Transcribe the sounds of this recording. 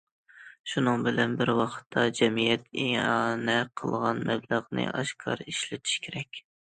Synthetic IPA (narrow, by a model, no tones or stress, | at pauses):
ʃunɨŋbɪlɛnbɪɾwɑqʰə̥t̪ʰːɑd͡ʒɛmijɛt̪ʰeɑnɛqʰəlˠʁɑnmɛbləʁnɨ̰ʔɑʃkʰɑ̰ɾiʃlɪt̪ʰi̥ʃkʲʰeɾɛkʲ